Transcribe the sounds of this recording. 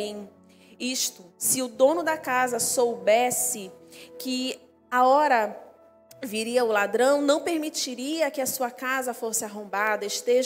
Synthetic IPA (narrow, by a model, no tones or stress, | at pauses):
iʃt̪ʊsɪʊd̪õnʊd̪ɐkazɐsowbɛsɪkɪ | aɔɾɐ | viɾiɐʊlad̪ɾɐ̃w̃nɐ̃w̃peɾmit͡ʃiɾiɐkɪɐsuɐkazɐfosɪaɦõbad̪ɐɪʃt̪eʒ